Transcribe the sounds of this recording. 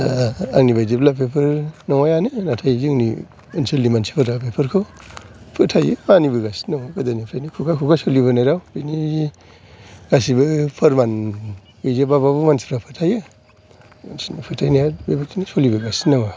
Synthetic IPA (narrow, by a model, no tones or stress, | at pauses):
a̰ŋnibajziblapʰepʰɯɾnɔŋajanɯnatʰajzɯŋnḭ | inselːimansi̥pʰaɾapʰepʰɯɾkʰo | pʰɯtʰajɯmanibɯɡasi̥nawakɯdanipʰɾʰajnikʰukʰakʰukʰasoliβɯnajɾawb̥ini | ɡasibɯpʰɐɾman | bizabaβabumansi̥pɾapʰɯtʰajɯ | sinipʰɯtʰajnijabebatʰinisolibɯɡasi̥nawa